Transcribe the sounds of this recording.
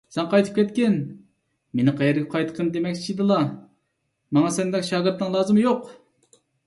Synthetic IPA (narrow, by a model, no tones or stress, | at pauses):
sɛnqʰɑjt̪ʰɨ̥pkʲʰɛt̪kʲɛn | menɪqʰɑjɛɾɡʲɛqʰɑjt̪ə̥qʰənd̪emɛkʲt͡ʃʰid̪ɨlˠɑ | mɑŋɑsɛnd̪ɛkʲʃɑːɡɨɾt̪nːɨŋlˠɑːzɨmjoq